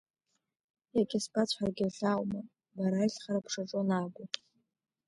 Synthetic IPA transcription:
jakʲʼɪsbat͡ɕʷʰħarɡʲɪɬawma | baɾaiɬχaɾapʰʂaʈ͡ʂʼonaɡʷʊ

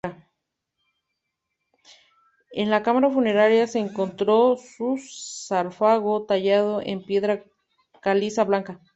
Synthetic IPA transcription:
a | enlakamaɾafune̞ɾaɾjase̞ːŋko̞nt̪ɾo̞susaɾfaɣo̞t̪aʝað̞o̞ʔe̞mpje̞ðɾa | kalisaβlaŋka

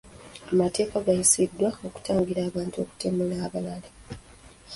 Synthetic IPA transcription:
amate̞ːkaɡajisidːwao̞ku̥taːŋɡiɾaːβaːntuo̞ku̥temulaːβalale

